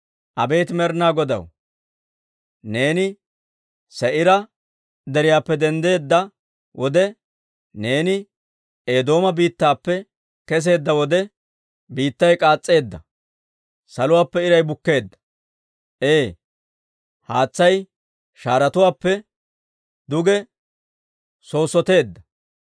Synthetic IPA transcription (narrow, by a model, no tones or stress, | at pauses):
ʔɐbe̞ːt̪ɪmɛɾnaːɡɔd̪ɐ̰w | ne̞ːnɪ | sɛʔɪɾɐ | d̪ɛɾɪjaːpːɛd̪ɛnd̪e̞ːd̪ːɐ | wʔɔd̪ɛ | ne̞ːnɪ | eːd̪o̞ːmɐbiːt̪ːaːpːɛ | kɛs̬e̞ːd̪ːɐwɔd̪ɛ | biːt̪ːɐjkʼaːt͡sʼːe̞ːd̪ːɐ | sɐlʊwaːpːɛɪɾɐjbʊkːe̞ːd̪ːɐ̥ | ʔeː | haːt͡sːɐj | ʃaːɾɐt̪ʊwaːpːɛ | d̪ʊɡɛ | so̞ːsːɔt̪e̞ːd̪ːɐ